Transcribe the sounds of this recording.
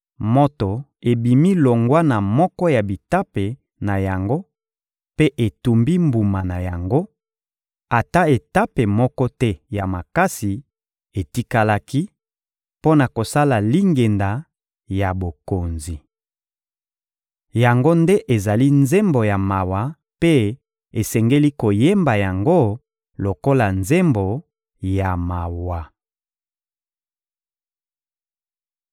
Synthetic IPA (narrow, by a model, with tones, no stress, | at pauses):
mo˦to˨ | e˨bi˨mi˦lo˨ŋɡwa˦na˨mɔ˦kɔ˦ja˨bi˨ta˦pe˨ | na˨ja˨ŋɡo˦ | pe˦ʔe˨tu˨mbi˦mbu˨ma˨na˨ja˨ŋɡo˦ | a˨ta˦e˨ta˦pe˨mɔ˦kɔ˦tɛ˦ja˨ma˨ka˦si˨ | e˨ti˦ka˦la˦ki˦ | po˦na˨ko˨sa˦la˨li˦ŋɡe˨nda˨ | ja˨bo˨ko˨nzi˨ | ja˨ŋɡo˦nde˦ʔe˨za˨li˦nze˦mbo˨ja˨ma˨wa˨ | pe˦ | e˨sɛ˨ŋɡe˦li˦ko˨je˦mba˨ja˨ŋɡo˦ | lo˨ko˦la˨nze˦mbo˨ | ja˨ma˨wa˨